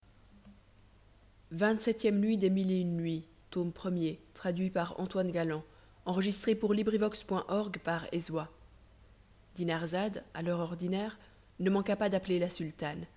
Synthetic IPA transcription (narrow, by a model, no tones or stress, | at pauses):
vɛ̃t̪sɛt̪jɛmnɥid̪emileynːɥi | t̪ompχəmjet̪χad̪ɥipaʁɑ̰̃t̪wanɡalɑ̃ | ɑ̃ʁəʒist̪χepuʁlibʁivɔkspwɛ̃ʔɔʁɡpaʁezwa | d̪inaʁzad̪a̰lœʁɔʁd̪inɛːʁ | nəmɑ̃kapad̪aplelasylt̪an